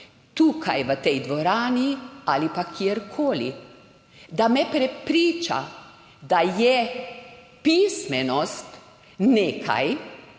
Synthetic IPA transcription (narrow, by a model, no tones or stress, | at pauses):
t̪uːkʰa̰jʋət̪ɛjd̪ʋɔɾaːnialipakʰjieɾkʰoːlḭ | d̪amɛpɾɛpɾiːt͡ʃa̰ | d̪ajɛ | pismɛnɔst̪ | neːkʰa̰j